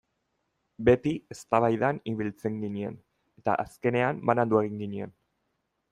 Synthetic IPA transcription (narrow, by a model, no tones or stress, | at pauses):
be̞t̪ie̞st̪aβajðaniβilt͡se̞ŋɡinie̞̰n | e̞t̪a̰ʔaske̞ne̞ambanand̪ueɣiŋɡinie̞n